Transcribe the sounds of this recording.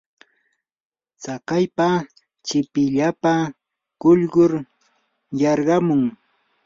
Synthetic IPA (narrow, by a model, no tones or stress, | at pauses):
t͡sakajpa | t͡ʃɪpɪʎapa | ɢ̥ʊʎɢʊɾ | jɑɾɢɑmʊŋ